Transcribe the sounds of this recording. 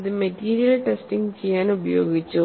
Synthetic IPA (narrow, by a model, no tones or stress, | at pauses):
ðɨmɐʈiːɾijɐlʈesʈiŋɡt͡ɕejːaːnubɐjo̰ːɡit͡ɕːu